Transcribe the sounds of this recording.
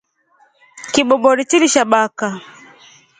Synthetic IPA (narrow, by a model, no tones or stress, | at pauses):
kibɔbɔɾit͡ʃiliʃaɓaka